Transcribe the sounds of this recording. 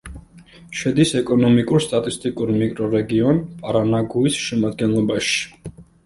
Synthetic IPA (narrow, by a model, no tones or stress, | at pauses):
ʃɛd̪isɛkʼɔnɔmikʼuɾst̪ʼat̪ʼist̪ʼikʼuɾmikʼɾɔɾɛɡiɔnpʼaɾanaɡuisʃɛmad̪ɡɛnlˠɔbaʃi̥